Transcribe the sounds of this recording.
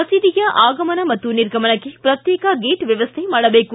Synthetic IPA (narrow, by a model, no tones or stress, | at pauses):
ɐsid̪ijɐʔaːɡɐmɐnɐmɐt̪ːuniɾɡʱɐmɐnɐkːepɾɐt̪jɛːkɐɡeːʈʋjɐʋɐst̪ʰemaːɽɐbeːku